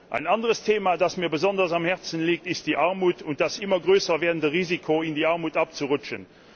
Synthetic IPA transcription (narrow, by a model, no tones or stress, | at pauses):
ʔa̰ɪnandəʁəstʰeːmaːdasmiːɐbəzɔndɐsamhɛʁt͡sənliːk̚tɪst̚d̥iːʔaʁmuːtʰʊnt̚d̥asɪmɐɡʁøːsɐvɛːɐdn̩dəʁiːzikʰoɪndiːaʁmuːtap̚t͡suʁʊt͡ʃən